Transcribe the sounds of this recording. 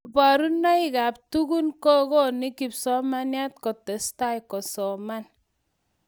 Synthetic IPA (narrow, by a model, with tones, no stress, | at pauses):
ba˨ɾu˦nːa˦i˨ka˨p̚tu˦ku˦nkɔ˦kɔ˦ni˦ki˨psɔ˦ma˦nja˦tkɔ˨tɛ˨sta˦jkɔ˨sɔ˨ma˦n